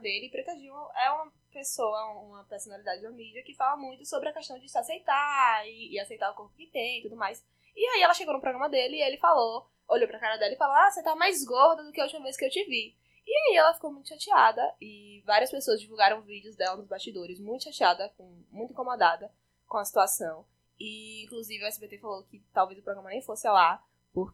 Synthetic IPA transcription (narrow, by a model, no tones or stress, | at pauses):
d̪elɪpɾet̪ad͡ʒĩõʔɛũmɐ | pesowɐũũmɐpeɾsõnalid̪ad͡ʒɪd̪ɐmid͡ʒiɐkɪfalɐmũj̃t̪ʊsobɾɪɐkeʃt̪ɐ̃w̃d͡ʒɪsasejt̪aɪːasejt̪aɾʊkõk̪kɪt̪ẽj̃it̪ud̪ʊmajs | iaiɛlɐʃeɡownʊpɾoɡɾɐ̃mɐd̪elɪːelɪfalo | oʎowpɾɐkaɾɐd̪ɛlɐɪfaloasẽjt̪amajzɡoɾd̪ɐd̪ʊkɪɐut͡ʃimɐveskɪewt͡ʃivi | iaiɛlɐfi̥kowmũj̃t̪ʊʃat͡ʃiad̪ɐɪ | vaɾiɐspesoɐzd͡ʒivuwɡaɾɐ̃w̃vid͡ʒiʊzd̪ɛlɐnʊzbast͡ʃid̪oɾɪzmũj̃t̪ʊ̥ʃat͡ʃiad̪ɐkõ | mũj̃t̪ʊĩkõmod̪ad̪ɐ | kõɐsi̥t̪uasɐ̃w̃ | ɪĩkluzivɪɐɛsɪbet̪efalokɪt̪awvejzʊpɾoɡɾɐ̃mɐnẽj̃fosɪala | pʊɾ